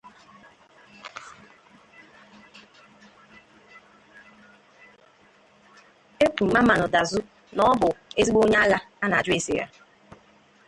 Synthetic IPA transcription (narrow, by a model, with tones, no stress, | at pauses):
e˦k͡pu˨ma˦ma˨nʊ˨da˨zʊ˦ | nɔ˦ɔ˦bʊ˨e˦zi˦ɡ͡bo˦ɲe˦a˦la˦ | a˦na˨d͡ʒʊ˦e˦si˨ɾa̰˦